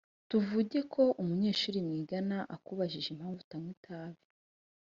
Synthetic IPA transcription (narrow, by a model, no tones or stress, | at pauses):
tuvuɟe̞kʰo̞ʔumuɲe̞ːʃuːɾimŋiːɡanaʔakuβaʒiʒem̥haːɱvutamwitʰaːβi